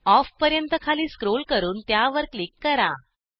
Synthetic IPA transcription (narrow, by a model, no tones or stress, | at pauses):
ɔfpəɾjənt̪əkʰaliːskɾolkəɾuːnt̪jaʋəɾklikːəɾa